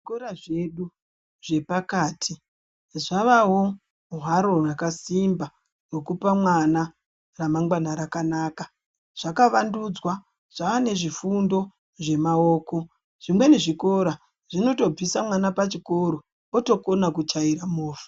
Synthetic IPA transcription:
ikoɾaʐe̞ɗu | ʐe̞pakaːtʰi | ʐaʋawo̞ | uɦaɾo̞rakasimba | wokupamwana | ramaŋɡwanaɾakanaːka | ʐ̥akaʋandud͡zwa | ʐ̥aʋane̞ʐifundo̞ | ʐe̞maoːko̞ | ʐ̥imwe̞ne̞ʐiko̞ɾa | ʐ̥ino̞to̞b͡visamwanapat͡ʃiko̞ɾo | oto̞konakut͡ʃaiɾamoːfu̥

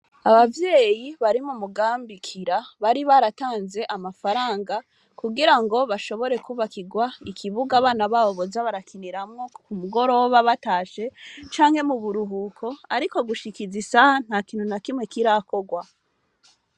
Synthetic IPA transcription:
aβavje̞ːjiβaɾimumuɡaːmbikʰiɾaβaɾiβaɾataːnze̞ʔamafaɾaːŋɡa | kuɡiɾaŋɡo̞βaʃo̞βo̞ɾe̞kuβakiɡwaikʰiβuɡaβaːnaβaβoβo̞zaβaɾakiniɾamŋokumuɡo̞ɾo̞βaβataːʃe̞t͡ʃaːŋhe̞muβuɾuɦukʰo̞aɾiko̞ɡuʃikizisahan̥hakiːnhunakimŋwe̞kiɾako̞ɡwa

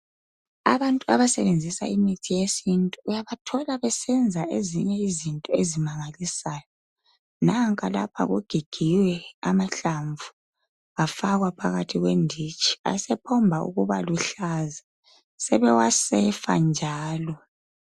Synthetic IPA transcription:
a̰βantʼuaβasɛβend͡zʱisa̰imitʰijesintʼuujaβatʰɔlaβɛsɛnd͡zʱaʔeziɲɛizintʼɔezimaŋalisaːjɔ | naŋkʼalapʰa̰ɣuɡ̥ʱiɡ̥ʱiwɛa̰maɬaɱvu | afaɣwapʰaɣatʰiɣwendʱit͡ʃʼi̥a̰sɛpʰɔmbʱaṵɣuβaluɬaza | sɛβɛwasɛfa̰nd͡ʒʱaːlɔ

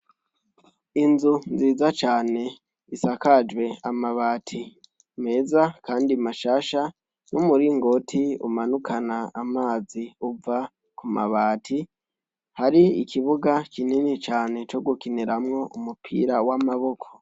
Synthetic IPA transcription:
inzunziːzat͡ʃaːne̞ | isakad͡ʒwe̞amaβaːtʰi | me̞ːzakaːndimaʃaːʃa | numuɾiŋɡo̞tʰiṵmanukʰanaːmaːziuva | kuma̰βaːtʰi | haɾiikʰiβuɡakininit͡ʃaːne̞t͡ʃo̞ɡukineɾamŋo̞ʔumupʰḭɾawamaβo̞kʰo̞̥

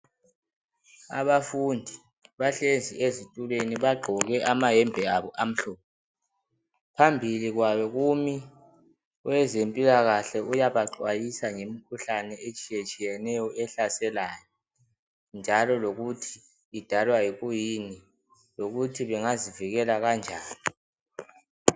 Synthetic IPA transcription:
a̰βafundʱi | βaɬend͡zʱiezitʼuleniβaɡ͡ǃʱɔɣɛʔamaɦɛmbʱɛaβɔʔam̩ɬɔːp̚ʰɔ | pʰambʱiliɣwaβɔɣumi | wɛzempʼilaɣaɬɛujaβaǃwajisaŋemikʰuɬanɛet͡ʃʼijet͡ʃʼijɛnɛjɔɛɬasɛlaːjɔ | nd͡ʒʱalɔloɣutʰi̥ː | d̥ʱalwajiɣujini | loɣutʰiβɛŋaziviɣɛlaɣand͡ʒʱaːni

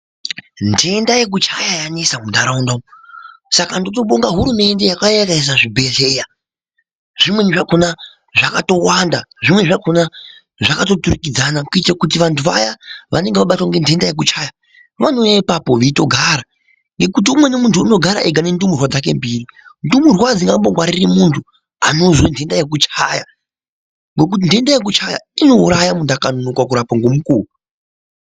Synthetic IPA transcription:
nde̞ndaje̞k̬ut͡ʃajajanesamundaɾaundaosakando̞toɓoŋɡaɦuɾume̞nde̞jakajaɡais̬aʐibʱe̞ɮe̞ːja | ʐ̥imwe̞nʐako̞na | ʐakato̞wanda̰ʐimwe̞ʐakona | ʐakato̞turikid͡zanakuitakut̬iʋantʰuʋa̰jaʋʔa̰ne̞ŋɡeʋaɓatwaŋɡe̞nde̞ndaje̞k̬ut͡ʃaja | ʋano̞jaipapo̞ʋito̞ɡʱaɾa | ŋɡe̞kut̬iumwe̞nemuntʰuːno̞ɡʱaɾa̰ʔeɡʱane̞ndumurwad͡zak̬e̞mbiːrindumurwad͡ziŋɡamboɡwaɾirimuntʰu | ano̞zwendʰʱe̞ndajek̬ut͡ʃaja | ŋɡo̞k̬ut̬indʱendajek̬ut͡ʃaja̰ino̞uɾajamundakanonukwak̬uɾapaŋɡomukuːru

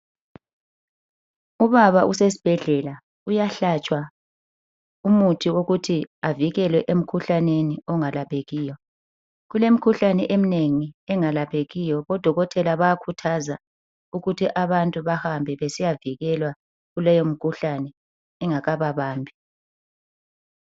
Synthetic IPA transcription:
uβaβaʔuses̬i̥b̥ʱɛɮɛla | ujaɬat͡ʃʼwa | umutʰiwoɣutʰiaviɣɛlwɛʔem̩kʰuɬaneniɔŋalapʰeɣiːjɔ | ɣulem̩kʰuɬanɛʔemineŋiɛŋalapʰeɣijɔβɔd̥ʱɔɣɔtʰɛlaβajakʰutʰaza | uɣutʰiʔaβantʼuβahambʱɛβesijaviɣɛlwa | ɣulɛjom̩kʰuɬanɛː | ŋaɣaβaβaːmbʱi

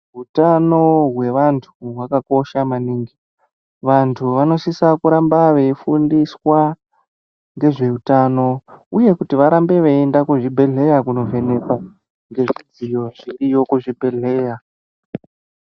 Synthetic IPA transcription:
ɦutano̞ɦwe̞ʋantʰuɦwakako̞ʃamaniːŋɡi | ʋantʰuʋano̞sisakuɾambaʋe̞ifundiswa | ŋɡe̞ʐe̞utano̞uje̞kutiʋaɾambe̞ʋeendakuʐibʱe̞ɮe̞jakuno̞ve̞ne̞ka | ŋɡe̞ʐid͡zijo̞ʐirijo̞kuʐibʱe̞ɮe̞ːja

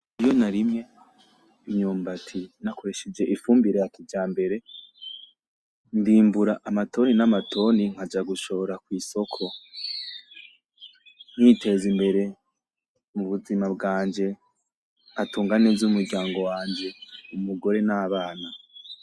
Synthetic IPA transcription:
ijo̞naɾimŋe̞ | iɲuːmbatʰinako̞ɾe̞ʃed͡ʒe̞ʔifuːmbiɾejativɟaːmbe̞ɾe̞ | ndiːmbuɾaʔamatʰo̞ninamatʰo̞niŋ̥ad͡ʒaɡuʃo̞βoɾakwiːso̞kʰo̞ | n̥hitʰe̞zimbe̞ɾe̞ | muβuzimabɡaːɲd͡ʒe̞ | atuːŋɡanezumuɾɟaːŋɡo̞waːɲd͡ʒe̞umuɡo̞ɾe̞naːβaːna

